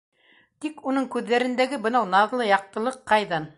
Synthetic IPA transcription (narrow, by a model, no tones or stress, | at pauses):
t̪ikunɤɴkʉðːæɾɘ̆nd̪æɡɘbɤ̆nɑwnɑðlˠɤjɑq̚t̪ɤ̆lˠɤqːɑjðɑn